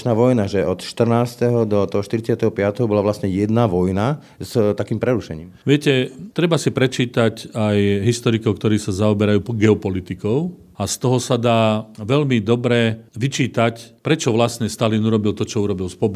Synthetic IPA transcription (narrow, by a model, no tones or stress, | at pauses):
t͡ʃnaːʋɔjnaʒɛɔt̪ʃt̪r̩naːst̪ɛɦɔd̪ɔt̪ɔɦɔʃt̪iɾit͡sɪat̪ɛɦɔpɪat̪ɛɦɔbɔlaʋlasɲɛjɛd̪naʋɔjna | st̪akiːmpɾɛɾuʃɛ̰ɲḭːmʋɪɛcɛt̪ɾɛbasipɾɛt͡ʃiːt̪acajɦist̪ɔɾikɔʊkt̪ɔɾiːsazaɔbɛɾajuːɡɛɔpɔlit̪ikɔʊ | ast̪ɔɦɔsad̪aːʋɛʎmid̪ɔbɾɛʋit͡ʃiːt̪acpɾɛt͡ʃɔʋlasɲɛst̪alinuɾɔbilt̪ɔt͡ʃɔuɾɔbilspɔb